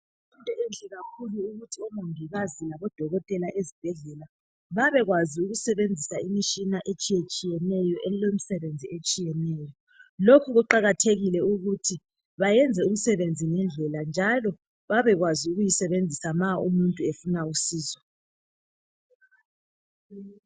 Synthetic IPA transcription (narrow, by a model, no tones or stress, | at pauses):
muntʼɛend͡ɮʼiɣakʰuluːɣutʰiɔmoŋbʱiɣazilaβɔd̥ʱɔɣɔtʼɛlaʔezib̥ʱɛɮɛla | βaβɛɣwaziuɣusɛβend͡zʱisaimiʃinaʔet͡ʃʼijet͡ʃʼijɛnɛjɔʔɛlem̩sɛβend͡zʱiet͡ʃʼijɛnɛjɔ | lokʰuɣuǃaɣatʰeɣilɛuɣutʰi | βajɛnd͡zʱɛum̩sɛβend͡zʱinɛnd͡ɮʱɛland͡ʒʱalɔ | βaβɛɣwaziuɣujisɛβend͡zʱisamaumuntʼuefunausiːzɔ